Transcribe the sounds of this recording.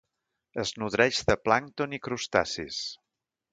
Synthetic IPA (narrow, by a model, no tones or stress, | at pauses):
əznuðɾɛʒðəplaŋt̪onikɾust̪a̰sḭs